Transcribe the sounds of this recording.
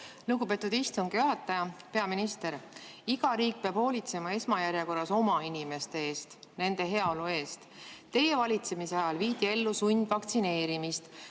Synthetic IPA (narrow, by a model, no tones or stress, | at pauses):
luɡ̥ube̞ːt̪ːˑud̪ist̪uŋɡ̥juɦɑt̪ːˑɑjɑpe̞ɑminist̪e̞ɾiɡɑɾiːk̚peɑb̥ho̞ːlʲit̪se̞mɑe̞smɑjæɾjeko̞rːɑso̞mɑinime̞st̪e̞e̞ːst̪ne̞nd̪̥e̞ɦe̞ɑo̞lue̞ːst̪t̪ːe̞je̞vɑlʲit̪se̞miseɑjɑlviːd̪ie̞lːusunʲd̪̥vɑkt̪sine̞ːɾimist̪